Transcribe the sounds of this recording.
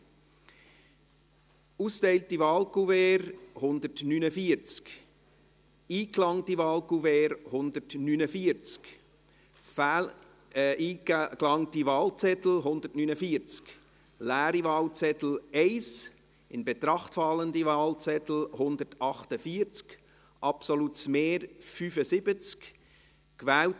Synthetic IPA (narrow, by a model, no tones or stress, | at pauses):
uːstɛɪltivɑːlkuvɛːɾhʊndətnynəfiːəɾt͡sk | iːklɑŋtivɑːlkuvɛːɾhʊndətnyːnəfiːɾt͡sk | ʔiːklɑŋtivɑːlt͡sɛtl̩ɦʊnd̥̪ətnynəfiːɾt͡sk | læːɾivɑːlt͡sɛt̪l̩ɛɪs | ɪnbet̪ɾɑχtfɑləndivɑːlt͡sɛtl̩hʊndətɑχtəfiːɾt͡sk | ʔɑpsolutsmeːɾfyfəsɪb̥ət͡sk | kvɛːlt